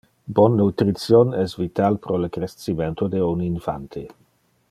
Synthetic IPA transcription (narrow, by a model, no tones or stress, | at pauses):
bɔnːut̪ɾit̪sjonɛsvit̪alpɾoləkɾessiment̪od̪euninfa̰nt̪ʰe